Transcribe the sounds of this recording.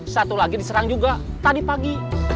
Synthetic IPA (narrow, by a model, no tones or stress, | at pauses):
sat̪ulaɡidisəɾaŋd͡ʒuɡa | t̪adipaɡi